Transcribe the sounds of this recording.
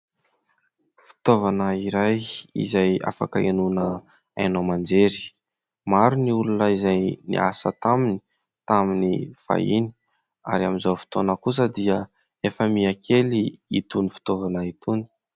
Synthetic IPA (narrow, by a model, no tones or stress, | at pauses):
fi̥t̪ovanəiɾajḭzaja̰fa̰kəenunə | a̰jnomand͡zeɾi̥ | maɾuniulunəizajnḭʔa̰sə̰t̪amini̥ | t̪aminifa̰ini̥ | a̰ɾiaminzafi̥t̪onəkus̬əd̪iə | efəmiakʰeliit̪unifi̥t̪ovanəit̪uni̥